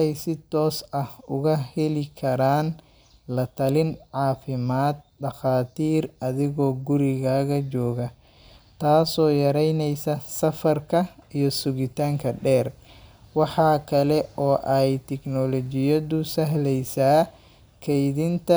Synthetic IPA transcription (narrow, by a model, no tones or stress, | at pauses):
ɛjsɪt̪ɔːsɐhʊɣɐhɛlɪkʰɐɾaːn | lɐt̪ʰɐlɪnʕɑːfɪmaːd̪̚ɖɑxaːt̪ʰiːrɐðɪɣɔːɡʊɾɪɣaːɣɐt͡ʃɔːɣɐ | t̪ʰaːsɔːjɐɾɛjnɛjsɐsɐfɐrkʰɐijɔsʊɣɪt̪ʰaːŋkʰɐɖɛːrwɑħɑːkʰɐlɛɔːʔɛjt̪ʰɛknɔlɔt͡ʃɪjɐðʊsɐɦlɛjsaː | kʰɛjðɪnt̪ʰɐ